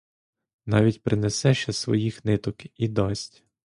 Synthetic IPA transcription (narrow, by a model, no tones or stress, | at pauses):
nɑʋʲitʲpɾʔɪnesɛʃt͡ʃɛsʋɔ̰jixnɪt̪ɔkid̪ɔsʲtʲ